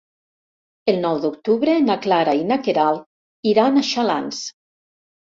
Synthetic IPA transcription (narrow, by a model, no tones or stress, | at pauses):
elˠnɔwd̪uk̚t̪uβɾenaklaɾainakeɾalˠ | iɾanaʃalans